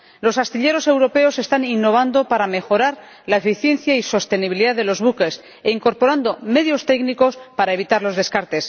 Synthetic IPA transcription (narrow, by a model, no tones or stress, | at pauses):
lo̞sast̪iʎe̞ɾo̞se̞wɾo̞pe̞o̞se̞st̪aninːo̞β̞and̪o̞paɾame̞xo̞ɾaɾ | laefiθje̞nθjaiso̞st̪e̞niβ̞iliðaðe̞lo̞zβuke̞s | eiŋko̞ɾpo̞ɾand̪o̞me̞ðjo̞st̪e̞kniko̞spaɾae̞βit̪aɾlo̞zðe̞skaɾt̪e̞s